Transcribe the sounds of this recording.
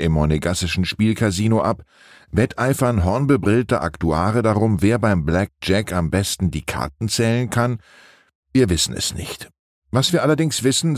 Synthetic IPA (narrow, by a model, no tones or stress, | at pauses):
ʔɪmːɔneɡasɪʃn̩ʃpiːlkʰaɐziːnoʔap | vɛtʔaɪfɐnɦɔɐnbəbʁɪltəʔa̰ktuaːʁədaʁʊmveːɐbaɪmblɛk̚d͡ʒ̥ɛkʰambɛstn̩diːkʰa̰ɐtn̩t͡sɛːlənkʰan | viːɐvɪsn̩ɛ̰snɪ̰çt | vasv̥iːɐalɐdɪŋsv̥ɪsn̩